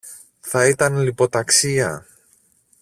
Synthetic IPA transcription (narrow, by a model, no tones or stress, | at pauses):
θɐit̪ɐnlipo̞t̪ɐksiɐ̰